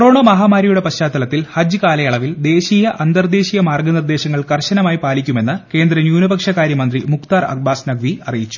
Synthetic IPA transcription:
kro̞ːɳɐmɐɦaːmaːɾijuɽe̞pɐɕaːt̪ːɐlɐt̪ːilhɐd͡ʑɨkaːlɐjɐɭɐʋild̪e̞ːɕiːjɐʔɐnd̪ɐrd̪e̞ːɕijɐmaːrɡɐnird̪e̞ːɕɐŋːɐɭkɐrɕɐnɐmaːjipaːlikʲːume̞nːɨke̞ːnd̪rɐnjuːnɐbɐkʂɐkaːɾjɐmɐnd̪rimukt̪aːrɐ̰k̚baːsnɐɡʋiɐrijit͡ɕːu̥

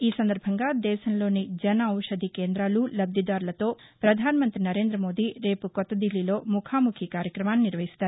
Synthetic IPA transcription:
iːsɐnd̪ɐɾbʱɐŋɡaːd̪ɛːʃɐmlo̞ːnid͡ʒɐnɐɐwʂɐd̪ʱikeːnd̪ɾaːlulɐbd̪jɐd̪aːɾlɐt̪o̞ː | pɾɐd̪ʱaːnɐmɐnt̪ɾinɐɾe̞ːnd̪ɾɐmo̞ːd̪iɾe̞ːpukɔt̪ːɐd̪ilːilo̞ːmukʰaːmukʰikaːɾjɐkɾɐmaːniniɾʋɐɦist̪aːɾu

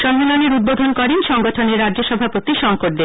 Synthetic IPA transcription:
ʃɔmːeloneɾud̪̚bod̪ʱonkɔɾenʃɔŋɡoʈʰoneɾːadoʃɔbʱapot̪iʃɔŋkoʈ̚d̪eɾ

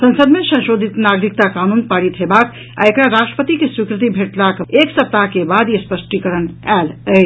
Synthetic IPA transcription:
sə̃nsəd̪mesə̃nʃod̪ʱit̪naɡɾik̚t̪akanunpaɽit̪ɦəbak | a̰ekɾaɾasʈɾə̥pət̪ikeswikɾɨt̪ibʱeʈlakeksəp̚t̪akebad̪espəsʈikəɾənalə

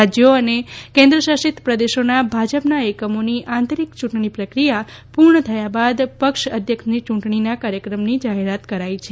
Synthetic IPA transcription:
ad͡ʒjoənekẽnd̪ɾəʃaʃit̪pɾəd̪eʃonabʱad͡ʒəpnaɛkəmoniʔãnt̪oɾikt͡ʃũɳʈɳipɾəkɾija | puɾɳət̪ʰəjabad̪pəkʃəd̪ʱjəkʃnit͡ʃũɳʈɳinakaɾjəkɾəmnid͡ʒaɦeɾat̪kəɾait͡ʃʰe

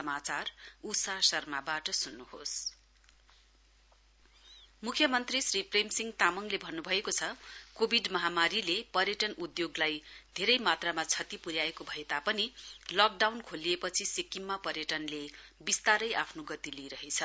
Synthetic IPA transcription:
sʌmat͡sarusasʌrmabaʈʌsunːuhos | mukʰjʌmʌnt̪risripremsiŋɡt̪amʌŋlebʱʌnːubʱʌekot͡sʰʌkobʱiɖmʌɦamaɾilepʌrjʌʈʌnud̪joɡlajd̪ʱeɾʌjmat̪ramat͡sʰʌt̪ipuɾjaekobʱʌet̪apʌnilʌk̚ɖawnkʰoliepʌt͡sʰisikimːapʌɾjʌʈʌnlebist̪aɾʌjʔapʰnoɡʌt̪iliɾʌɦet͡sʰʌ

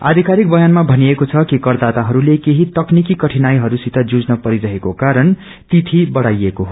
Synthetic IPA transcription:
a̰d̪ʱikaɾik̚bʌjanmabʱʌniekot͡sʰʌkikʌrd̪at̪aɦʌɾulekeɦit̪ʌknikikʌʈʰinajɦʌɾusit̪ʰʌd͡zud͡znʌpʌɾiɾʌɦekokaɾʌn | t̪it̪ʰibʌɽajekoɦ

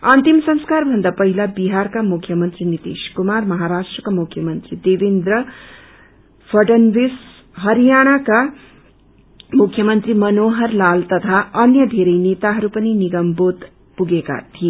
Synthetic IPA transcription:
ʌnt̪imsʌ̃ŋskarbʱʌnd̪apʌɦilabiɦarkamukʰjʌmʌnt̪rinit̪iskumarmʌɦaɾasʈrʌkamukʰjʌmʌnt̪rid̪ebind̪rʌ | pʰʌɖʌnbis | ɦʌɾijaɽ̃aka | mukʰːjʌmʌnt̪rimʌnoɦʌrlalt̪ʌt̪ʰaʌnjʌd̪ʱeɾʌjnet̪aɦʌɾupʌniniɡʌmbot̪ | puɡeka̰t̪ʰie

